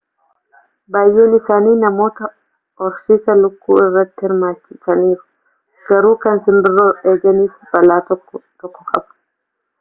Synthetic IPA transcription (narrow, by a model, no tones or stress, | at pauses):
baːjːuːnɪsaːniːnɐmo̞ːt̪ɐ | ʔɔɾsiːsɐlʊkːuːɪrːɐt̪ːɪhɪɾmaːt͡ʃːɪsɐniːɾʊ̥ | ɡ̥ɐɾuːkɐnsɪmbɪrːoːɾe̞ːɡɐniːfbɐlaːt̪ːt̪ɔkːɔkʼɐ̰bʊ̥